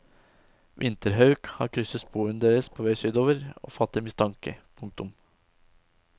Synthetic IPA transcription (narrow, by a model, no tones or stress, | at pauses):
ʋʔɪnt̪əɾɦɑʉkhɑ̰ːɾkʰɾʏsəsbʰuːʉnd̪eːɾəspʰoːʋeɪsyːd̪oːʋəɾo̰ːfɑt̪ːɪmɪst̪ʰɑŋkə̰pʰʊŋk̚t̪ʊm